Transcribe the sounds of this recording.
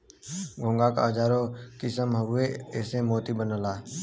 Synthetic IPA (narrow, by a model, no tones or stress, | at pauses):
ɡʱõːŋɡaka̰ɦəd͡ʒaːɾõːkɪsəmɦəʋeɛːsemoːt̪ibənəlaː